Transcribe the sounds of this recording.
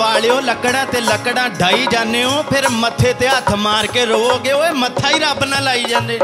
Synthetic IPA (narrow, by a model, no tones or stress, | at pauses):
ʋaːɭejoːləkɽãːt̪eːləkɽãːɖʱaːiːd͡ʒãːnd̪eːõːpʰɪɾmət̪ʰːeːt̪eːɦət̪ʰmaːɾkeːɾoːoːɡeːoːeːmət̪ʰaːiːɾaːbnãːlaːiːd͡ʒãːnd̪eː